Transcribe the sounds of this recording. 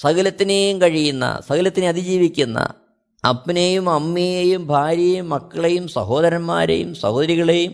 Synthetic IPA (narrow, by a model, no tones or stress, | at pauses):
sɐɣɐlɐt̪ːinejumkɐɻijunːɐ̰sɐɣɐlɐt̪ːinɐðid͡ʑiːʋikʲːunːɐ̰ | ɐpːinejumɐmːijejumbʱaːɾjɐjumːɐkːɐɭejumsɐ̰ɦo̞ːd̪ɐɾɐnma̰ːɾḛjṵmsɐ̰hoːd̪ɐɾiɣɐɭejum